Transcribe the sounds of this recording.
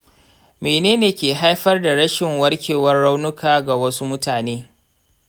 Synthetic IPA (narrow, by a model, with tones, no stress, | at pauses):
meː˨neː˦neː˨kʲeː˨ɦa˦jɸɐ˦rda˨ɽɐ˦ʃɪ˨ŋwɐ˦rkʲeː˨wɐ˦rːa˦wnʊ˦kaː˨ɡa˨wɐ˦su˦mʊ˦taː˨neː˦